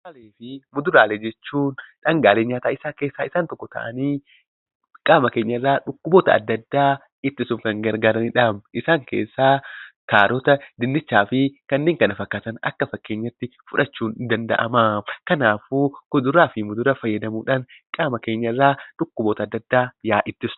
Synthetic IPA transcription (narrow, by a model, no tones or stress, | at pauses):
ɐleːfɪmʊd̪ʊɾaːlɛd͡ʒɛt͡ʃːuːnᶑɐŋɡaːleːɲːaːt̪aːɪsaːke̞ːsːaːɪsaːnt̪ɔkːɔt̪ɐ̰ʔɐ̰niː | kʼaːmɐke̞ːɲːɐɪrːaːᶑʊkːʊboːt̪ɐ̰ɐ̰d̪ːɐd̪ːaː | ɪt̪ːɪsʊŋkɐŋɡɐɾɡaːɾɐniᶑaːmʔɪsaːŋke̞̰ːsːaːkaːɾɔt̪ɐd̪ɪnd̪ɪt͡ʃːaːfɪkɐnːeːŋkɐnɐfɐkːaːt̪ɐnɐ̰kːɐfɐkːe̞ːɲːɐt̪ːɪfʊᶑɐt͡ʃːuːnɪd̪ɐnd̪ɐ̰ʔɐ̰makɐnaːfuːkʊd̪ʊɾaːfɪmʊd̪ʊɾɐfɐjːɐd̪ɐmuːᶑaːnkʼaːmɐke̞ːɲːɐɪrːaːᶑʊkːʊbɔːt̪ɐd̪ːɐd̪ːaːjaːʔɪt̪ːɪsn̥